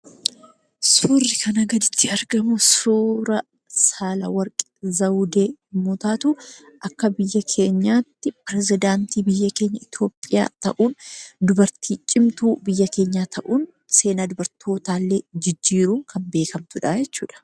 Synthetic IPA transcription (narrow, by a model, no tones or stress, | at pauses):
suːrːɪkʰɐnɐɡɐd̪ɪt͡ʃ̪ːɪɐɾɡɐmʊsuːɾɐ | saːlɐ̰wɐɾkʼɪ̥zɐwd̪e̞ːmoːt̪aːt̪uʔɐkːɐbɪjːɐkʰe̞ːɲːaːt̪ːɪpɪɾɛzɪd̪aːnt̪iːbɪjːɐke̞ːɲːɐɪt̪ʰo̞ːpʼɪja̰ːt̪ɐ̰ʔuːnd̪ʊbɐɾt̪ʰiːt͡ʃʼːɪmt̪uːbɪjːɐke̞ːɲːaːt̪ʰɐʔuːn | se̞ːnaːd̪ʊbɐɾt̪ʰo̞ːt̪aːlːeːd͡ʒɪd͡ʒːiːɾuːŋkʰɐmbe̞ːkɐmt̪ʊᶑɐjɛt͡ʃːṵːᶑɐ̥